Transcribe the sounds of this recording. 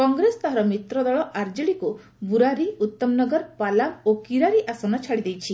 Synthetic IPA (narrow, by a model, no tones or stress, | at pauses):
kɔŋɡɾest̪aɦɔɾɔmit̪ɾɔd̪ɔɭɔʔaɾd͡ʒiɽiku | buɾaɾiut̪ːɔmɔnɔɡɔɾpalamokiɾaɾiʔasɔnɔt͡ʃʰaɽid̪ejt͡ʃʰi